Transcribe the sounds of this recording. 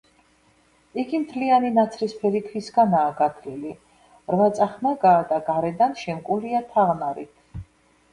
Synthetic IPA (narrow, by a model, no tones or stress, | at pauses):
iɡimt̪ʰlianinat̪sʰɾispʰɛɾikʰvisɡanaːɡat̪ʰlili | ɾvat̪sʼaχnaɡaːd̪aɡaɾɛd̪anʃɛmkʼuliat̪ʰaʁnaɾḭt̪ʰ